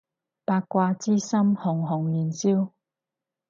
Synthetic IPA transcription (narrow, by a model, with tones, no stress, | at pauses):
paː˧kkʷːwaː˧t͡siː˥sɐ˥mhʊ˨˩ŋɦʊ˨˩ŋli˨˩nsi˥w